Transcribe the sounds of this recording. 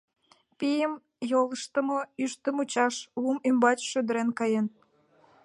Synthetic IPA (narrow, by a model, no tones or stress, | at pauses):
pijəm | jolˠəʃt̪ə̆moyʃt̪ə̆mut͡ɕɑʃβumymbɑt͡ɕʃød̪ə̆ɾenkɑjen